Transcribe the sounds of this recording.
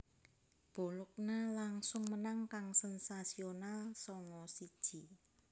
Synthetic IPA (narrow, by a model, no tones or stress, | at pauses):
b̥o̤lʊk̚nalaŋsʊŋmənaŋkaŋsɛnsasionalsɔŋɔsid̥ʒ̥i̤